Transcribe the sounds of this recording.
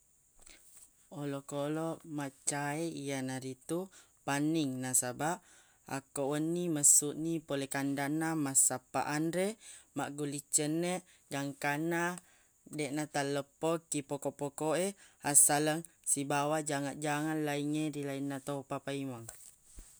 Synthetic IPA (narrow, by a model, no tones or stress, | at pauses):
olokoloʔmaʔt͡ʃaeijanaɾit̪u | paniŋnasabaʔ | a̰koʔwənːiməsuʔnipolekandaʔnamasapa̰ʔanɾemaʔɡulit͡ʃəneʔ | ɡaŋkana | deʔnat̪aləpokːipokoʔpokoehasaləŋ | sibawad͡ʒaŋaʔd͡ʒaŋanlaiŋeɾilainːat̪opapaimaŋ